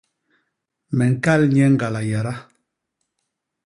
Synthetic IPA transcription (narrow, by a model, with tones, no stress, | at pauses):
mɛ˨ŋ̩˨ka˦lɲɛ˦ŋ˦ɡa˨la˨ja˨ɾa˦